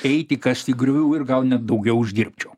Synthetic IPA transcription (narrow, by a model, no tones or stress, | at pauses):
ɛɪt̪ʲɪkɐst̪ʲiːɡɾʲʊʋʲuːɪrɡɐlˠnʲɛt̪̚d̪ɐʊɡʲɛʊʊʒʲd̪ʲiɾʲpʲt͡ʃʲoː